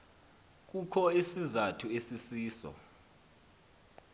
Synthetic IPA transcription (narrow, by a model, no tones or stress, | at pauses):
k̬ukʰɔisizatʰuesisiːsɔ̰